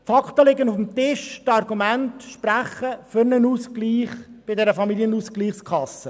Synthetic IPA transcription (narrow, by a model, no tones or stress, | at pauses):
fɑkχtəlɪɡənʊfm̩tɪʃtɑrɡumæntʃpræχəfʏɾnənuːskliːχb̥ɪdɛɾəfɑmiljənuːskliːχskʰχɑsːə